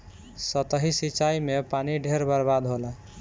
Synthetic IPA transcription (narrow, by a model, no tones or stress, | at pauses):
sət̪əɦisit͡ʃaimepaniɖʱeɾbəɾbad̪ɦola